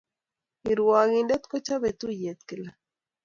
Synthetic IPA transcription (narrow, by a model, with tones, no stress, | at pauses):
i˨ɾuwa˨ɣinde˦t̪kot͡ʃa˦βet̪u˦je˨t̪ke˨la